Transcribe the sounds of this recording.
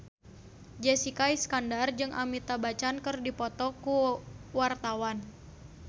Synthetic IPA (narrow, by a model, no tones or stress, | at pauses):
d͡ʒɛsikaiskandard͡ʒɨŋʔa̰mit̪abat͡ʃankɨrdipɔt̪ɔkuwart̪awan